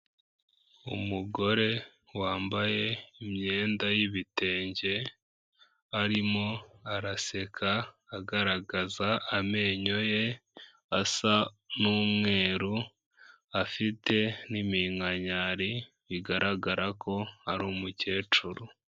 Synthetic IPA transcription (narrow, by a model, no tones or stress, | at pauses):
ṵmuɡo̞ɾe̞ | waːmbaje̞imɲe̞ːndajiβite̞ːɲɟe̞ | aɾimo̞aɾase̞kʰaː | ɡaɾaɡazaːme̞ːɲo̞je̞ | asa | nuːmŋe̞ːɾu | afitʰe̞nimiŋaɲaɾi | βiɡaɾʔaɡaɾakʰo̞aɾuːmuce̞ːt͡ʃuɾu